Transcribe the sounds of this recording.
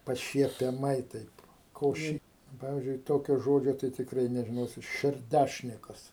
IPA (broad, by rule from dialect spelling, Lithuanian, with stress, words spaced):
pɐʃʲiɛpʲɛˈmɐɪ ˈtɐɪp koː ˈʃʲɪ ˈpɑːʋʲɪzʲd͡ʒʲʊɪ ˈtoːkʲoː ˈʒoːd͡ʒʲoː tɐɪ tʲɪkˈrɐɪ nʲɛʒʲɪˈnoːsʲɪt ʃʲɛrʲˈdʲæʃʲnʲɪkɐs